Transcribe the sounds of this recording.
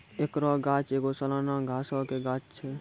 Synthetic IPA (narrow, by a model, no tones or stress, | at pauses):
ekɾɔːɡaːt͡ʃeːɡosəlaːnãːɡʱaːsaːkeɡaːt͡ʃt͡ʃʰɛː